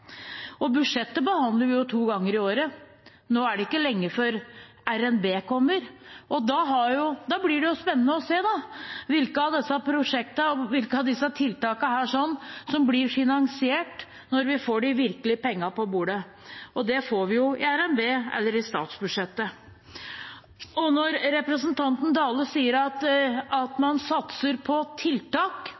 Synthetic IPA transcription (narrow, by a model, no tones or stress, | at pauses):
ɔbʉd̪ʂɛt̪ːəbəhɑnd̪ləɾʋɪjʊt̪ʰuːɡɑŋːəɾɪoːɾə | noːæɖɛɪkːəlɛŋːəfɔɾ | æɾɛnbeːkʰɔmːəɾʔɔd̪ɑɦɑɾjʊd̪ɑblɪɖɛjʊspɛnːənəɔseːd̪ɑʋɪlkəɑʋd̪ɛsːɑpʰɾʊʂɛk̚t̪əɔʋɪlkəɑd̪ɪsːɑt̪ʰɪlt̪ɑːkɑhæːʂɔnːsɔmblɪɾfɪnɑŋsɪeːʈ | nɔɾʋɪfoːɖɪʋɪɾkəlɪpɛŋːɑpɔbuːɖə | ʔɔd̪ɛfoːɾʋɪjʊɪæɾɛnʋeːɛ̰lːəɾɪst̪ɑ̰ːt̪sbʉd̪ʂɛt̪ːə | ɔnɔɾɾɛpɾəsənt̪ʰɑnt̪n̩d̪ɑːləsiːəɾɑt̪ɑt̪mɑnsɑt̪səɾpʰɔt̪ʰɪlt̪ɑːk